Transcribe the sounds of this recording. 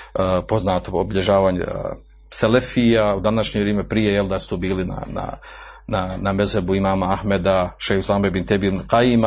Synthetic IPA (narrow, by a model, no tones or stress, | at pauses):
əpo̞znaːt̪oobiʎeʒaːʋaːɲḛ | selefiːjaud̪anaʃɲeɾjeːmepɾijejeld̪asu̥t̪oːbiːlina̰na̰nanamezebuimaːmaahmed̪aʃejhuslaːmebint̪ebiːɾqaima